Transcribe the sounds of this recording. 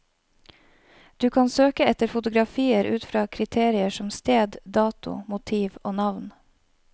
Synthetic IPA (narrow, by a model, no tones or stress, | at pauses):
d̪̥ʉːkʰɑnsøːkəɛt̪əɾfʊt̪ʊɡɾɑfiːəɾʉ̰ːt̪fɾɑːkʰɾɪt̪ʰeːɾɪəʃɔmst̪eːd̪d̪ɑːt̪ʊ̰mʊt̪ʰiːʋoːnɑʋn